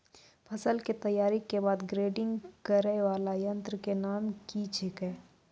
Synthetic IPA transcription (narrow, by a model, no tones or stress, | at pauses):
pʰɐsəlket̪ɐjaːɾikebaːd̪ɡɾeːɖɪ̃ŋɡkəɾɛʋaːlajɐ̃nt̪ɾəkenaːmkit͡ʃʰekɛː